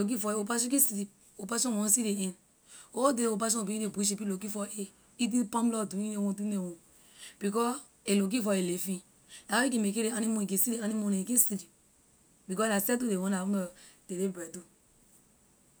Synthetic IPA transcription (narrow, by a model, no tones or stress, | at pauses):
lok̬ifɔeopaɔ̃kĩsiɾi | opasɔ̃ɔ̃siɾeĩn | odeɾeopaʃ̬ɔ̃biiɾebuʃ̬ipilokifɔe | it̬ĩpãmlɔduinewõdunewõ | b̥ikɔ | elok̬ifɔelefĩ | laik̬ĩmekeɾeanimõikĩsiɾeanimõnekĩsiɾi | bikɔlasɛt̬udewõnaũɔtelebɛtu